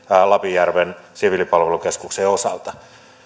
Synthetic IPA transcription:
lɑpijærʋensiʋilipɑlʋelukeskukseːosɑ̰lt̪ɑ

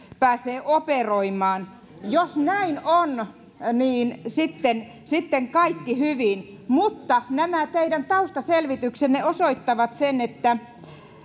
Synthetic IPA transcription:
pæːseːʔoperoimˑɑːn | josnæinon | niːnsit̪ːen | sit̪ːeŋkɑikːihyʋin | mut̪ːɑnæmæt̪eidænt̪ɑust̪ɑselʋit̪yksenneosoit̪ːɑʋɑt̪senet̪ːæ

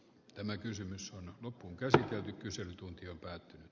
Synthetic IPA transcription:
t̪æmækysymysonlopːuŋkæsit̪elt̪ykkyselyt̪unt̪iompæːt̪ːynyt̪

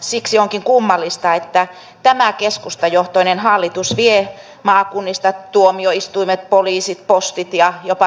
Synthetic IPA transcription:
siksioŋkiŋkumːɑlːist̪ɑet̪ːæ | t̪æmækeskust̪ɑjoht̪oinenhɑlːit̪usʋie | mɑːkunːist̪ɑt̪uomioist̪uimet̪̚poliːsit̪̚post̪it̪jɑjopɑ

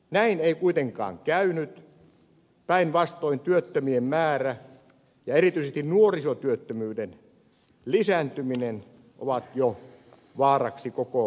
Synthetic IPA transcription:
næineikuit̪eŋkɑ̰ːŋkæynyt̪ | pæinʋɑst̪oint̪yøt̪ːømiemmæːræ | jɑerit̪yisest̪innuorisot̪yøt̪ːømyːden | lisænt̪yminen | ʔo̰ʋɑt̪jo | ʋɑːrɑksikoko

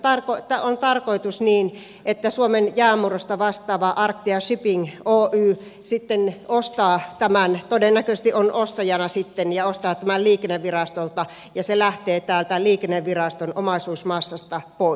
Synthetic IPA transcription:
t̪ɑrkot̪ːæont̪ɑrkoit̪usniːn | ʔet̪ːæsuomenjæːmurost̪ɑʋɑst̪ɑːʋɑʔɑrkt̪iɑʃypiŋoːʔyː | sit̪ːenost̪ɑːt̪æmænt̪odenːækøsest̪iʔonʔost̪ɑjɑnɑsit̪ːenjɑost̪ɑːt̪æmælliːkenːeʋʋirɑst̪olt̪ɑ | jɑselæht̪eːt̪æːlt̪æliːkenːeʋʋirɑst̪onomɑsuːsmɑsːɑst̪ɑpoˑi

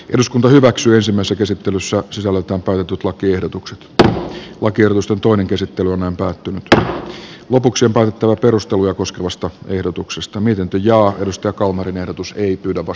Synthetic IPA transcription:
ʔeduskunt̪ɑhyʋæksyːensimːæisːækesit̪ːelysːæsisælːet̪æːmpæyt̪et̪ːyt̪lɑkiehdot̪ukse̥t̪ | lɑkiehɾot̪ust̪ent̪oineŋkesit̪ːelyonnæimpæːt̪ːynyt̪ | lopuksiompæːˑyt̪et̪ːæʋæperust̪elujɑkoskeʋɑst̪ɑehdot̪uksest̪ɑmiet̪int̪øjɑːedust̪ɑjɑkɑlmɑrinehdot̪useipyːdæʋʋɑ

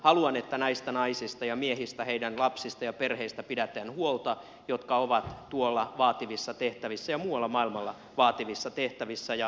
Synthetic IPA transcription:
hɑluɑnet̪ːænɑist̪ɑnɑisist̪ɑjɑmiehist̪æheidænlɑpsist̪ɑjɑperheist̪æpidæt̪ænhuolt̪ɑ | jot̪kɑoʋɑt̪t̪uolːɑʋɑːt̪iʋisːɑt̪eht̪æʋisːæjɑmuːwɑlːɑmɑilmɑlːɑ | ʋɑːt̪iʋisːɑt̪eht̪æʋisːæjɑ

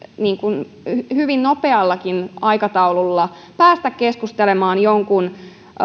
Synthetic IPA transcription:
niːŋkun | hyʋinnopeɑlːɑkinɑikɑt̪ɑululːɑ | pæːst̪ækkeskust̪elemɑːnjoŋkun

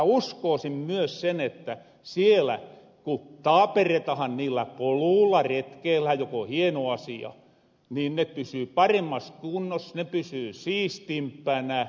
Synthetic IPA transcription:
uskoˑːsimmyøssenet̪ːæ | sielæ̰ | kut̪ɑːperet̪ɑhɑnniːlːæpoluːlːɑret̪keːlhæjokohienoɑsiɑ̰ | niːnnepysyːpɑremːɑst̪unːosnepysyːsiːst̪impːænæ

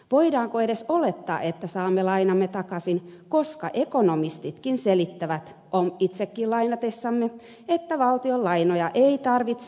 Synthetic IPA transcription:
ʋoidɑːŋkoeɾesolet̪ːɑ̰ːʔet̪ːæsɑːmːelɑinɑmːet̪ɑkɑsinkoskɑ̰ʔekonomist̪it̪kinselit̪ːæʋæt̪ | ʔomit̪sekːilɑinɑt̪esːɑmːe | et̪ːæʋɑlt̪iolːɑinojɑʔeit̪ɑrʋit̪s

